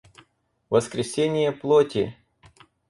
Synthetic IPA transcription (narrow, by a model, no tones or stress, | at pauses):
vəskɾʲɪsʲenʲɪjəplˠotʲɪ̰